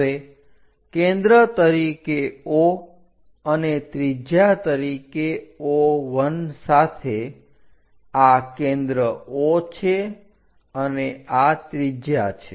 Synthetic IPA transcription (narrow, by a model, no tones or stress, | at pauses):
ʋe | kẽnd̪ɾət̪əɾikeo | ənet̪ɾid͡ʒjat̪əɾikeoʋənsat̪ʰe | akẽnd̪ɾəot͡ʃʰe | əneat̪ɾid͡ʒjat͡ʃʰe